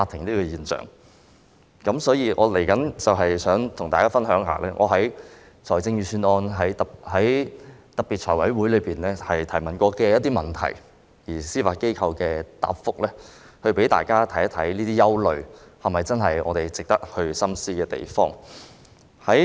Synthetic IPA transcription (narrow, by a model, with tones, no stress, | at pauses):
faː˧t̪ʰːɪ˨˩ŋt̪iː˥kɔː˧jiː˨nt͡sœ̰ː˨˩ŋ | kɐ˨˥msɔː˨˥jiː˧ʔɔ̰ː˨˧le˨˩jkɐ˨˥nt͡sɐ˨wɦɐ˨jsœː˨˥ŋt̪ʰʊ˨˩ŋt̪aː˨kaː˥fɐ˥nɦœː˨˥ŋɦa̰ː˨lɛː˥ŋɔ̰ː˨˧ɦɐ˨˥j | t͡sʰɔː˨˩jt͡sɪ˧ŋjyː˧syː˥nɔː˥nɦɐ˨˥j̪ɐ˨hɐ˨˥jt̪ɐ˨k̚pi˨t̚t͡ʃʰɔ̰ː˨˩jwɐ˨˥jwuː˨˥jlɵ˨˧ɥpiː˨nlɛː˥hɐ˨jt̪ʰɐ˨˩jmɐ˨nkʷɔː˧kɛː˧jɐ˥t̚t̪ːiː˥mɐ˨˩nt̪ʰɐ̰˨˩j | jiː˨˩siː˥faː˨˩ke˥jkʰɐ˧wkɛː˧t̪a̰ː˨p̚fʊ˥k̚lɛː˥ | hɵ˧ɥpe˨˥t̪a̰ː˨jkaː˥t̪ʰɐ˨˥jt̪ʰɐ˨˥jniː˥t̪iː˥jɐ˥wlɵ˨ɥhɐ˨mɐ˨jt͡sɐ˥nɦɐ˨jʔɔ̰ː˨˧t̪e˨jt͡sɪ˨k̚t̪ɐ˥k̚hɵ˧ɥsɐ˥msiː˥kɛː˧t̪ḛ˨jfɔː˥ŋ | hɐ˨˥